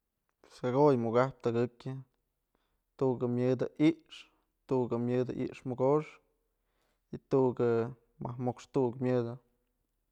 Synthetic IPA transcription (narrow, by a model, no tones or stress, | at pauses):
saɡojmuɡahp̚t̪aɡɨkʲɨ | t̪uʔɡɨmʲjɨd̪ɨʔiʔʂ | t̪uʔɡɨmʲɨd̪ɨ̰ʔḭʔʂmɨɡoʂ | it̪uʔɡɨ | mahmokʂt̪uʔkmʲɨd̪ɨ